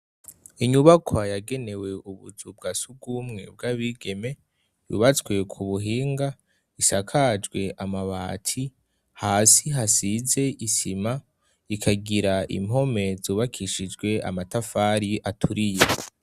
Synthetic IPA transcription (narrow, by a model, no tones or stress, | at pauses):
iɲuβakʰwajaɡe̞ne̞we̞uβuzub̚ɡasub̚ɡuːmŋe̞̰b̚ɡaβiɡe̞me̞ | jṵβat͡swe̞kʰuβuɦiːŋɡa | isakʰad͡ʒɡwe̞ʔamaβaːtʰi | haːsiɦasize̞isima | ikʰaɡiɾaḭm̥o̞me̞zuːβakʰiʃid͡ʒɡwe̞a̰matafaːɾiʔatʰuɾije